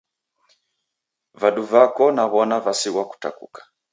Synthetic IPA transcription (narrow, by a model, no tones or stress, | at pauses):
vaɗuvakɔnaβɔnavasiɣwaku̥ta̰kṵkḁ